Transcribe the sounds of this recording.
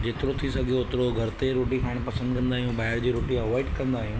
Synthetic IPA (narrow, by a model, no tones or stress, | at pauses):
d͡ʑeːt̪ɪɾot̪ʰisɐɡʱioːt̪ɪɾoɡʱɐɾt̪eɾoːʈikʰaːɽ̃pɐsə̃nd̪kɐ̃nd̪aːɦijũːbaːɪɾd͡ʑiːɾoːʈiɐʋɔːɪʈkɐ̃nd̪aːɦijũː